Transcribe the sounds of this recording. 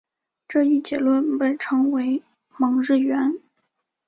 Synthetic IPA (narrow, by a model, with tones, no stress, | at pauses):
ʈ͡ʂɤ˥˧i˥˩t͡ɕjɛ˧˥lwə˥˩npe˥˩ɪʈ͡ʂʰɤ˧˥ŋwe˧˥ɪ | mɑ˧˥ŋɻɻ̩˥˩ɥɛ˧˥n